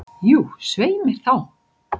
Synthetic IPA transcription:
juːsveːjmɪɾ̥θaw

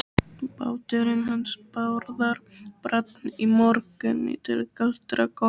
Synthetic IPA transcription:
pa̰ːwt̪ɛɾɪnɦanspawɾðaɾpɾat̪nimɔɾkʏnmɪ̰ːt̪ɪlkal̥t̪ɾakɔ

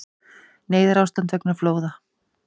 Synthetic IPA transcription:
neːjðɪɾawst̪ant̪vɛknaɾfloːwða

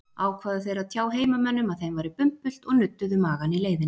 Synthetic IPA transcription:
aːwkʰvaːðʏθejɾat̪ʰjaːwɦeːjmamɛnːʏmaðθejmvajɾɪpʏm̥pʏl̥t̪ɔɣnʏt̪ːʏðʏmaːɣanileːjðɪn

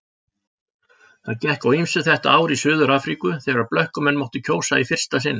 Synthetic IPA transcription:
θaðcɛhkawimsʏθɛht̪aaːwɾisʏːðʏɾaːfɾikʏθɛɣaɾaðplœhkʏmɛnmowht̪ʏcʰoːwsaifɪr̥st̪asɪnːɪ

